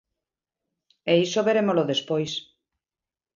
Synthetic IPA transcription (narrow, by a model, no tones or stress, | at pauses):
eisoβeɾemoloðespojs